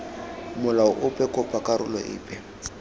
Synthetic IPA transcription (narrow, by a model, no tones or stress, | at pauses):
mʊlaʊʔʊpʼɛkʼʊpʼakʼaɾʊlɔʔɪ̰ːpʼɛ